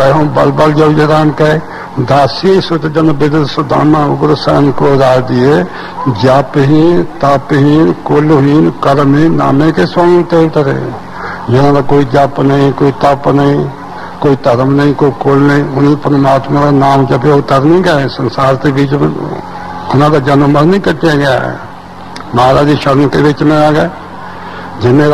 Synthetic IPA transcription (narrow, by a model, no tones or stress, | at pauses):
ɐɦõbɐlbəld͡ʒɐʋd͡ʒɐɾaːmkɐe | d̪aːsisot̪d͡ʒɐnbɪd̪əd̪sod̪a̰ːmãʊɡɾsa̰ːnkod̪aːɾd̪ie | d͡ʒaːpɦĩt̪aːpɦinkoːlɦiːnkəɾmĩna̰ːmẽkeswaːmĩt̪eːɾt̪ɾḛ | d͡ʒɪnãd̪akoːid͡ʒaːpnəɦĩkoːit̪aːpnəɦĩ | koːit̪əɾəmnəɦĩkoːikoːlnɐɦĩʊnĩpɾəmaːt̪mãkanaːmd͡ʒəbeot̪əɾnəĩɡəẽsə̃nsaːɾtebiːt͡ʃmḛ̃ | ʊnãd̪ad͡ʒaːnəməɾnəĩkəʈiaɡɐja̰ɛ̰ | maːɾaːd͡ʒiʃəɾnkebiːt͡ʃmẽaːɡəe | d͡ʒɪnẽ